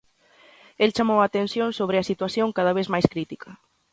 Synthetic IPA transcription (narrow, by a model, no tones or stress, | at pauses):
elt͡ʃamowat̪ensjõnsoβ̞ɾɪɐsit̪waθjoŋkaðaβ̞ezmajskɾit̪ikʰɐ